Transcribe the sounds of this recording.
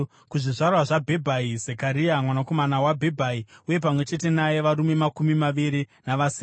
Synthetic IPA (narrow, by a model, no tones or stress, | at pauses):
kuʐiʐarwaʐabʱe̞bʱaizekaɾiamwanako̞manawabʱebʱaiuje̞pamwe̞t͡ʃe̞te̞naje̞ʋaɾume̞makumimaʋiɾinaʋasi